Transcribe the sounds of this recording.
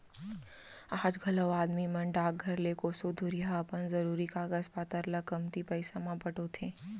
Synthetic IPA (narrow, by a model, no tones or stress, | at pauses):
aːd͡ʒɡʱɐləwaːd̪mimɐ̃ɳɖaːk̚ɡʱɐɾleːkosud̪ʱʊɾijaɐpənzɐɾuːɾikaːɡəspaːt̪əɾlɐkɐmt̪ipɐɪsamãpɐʈot̪ʰẽː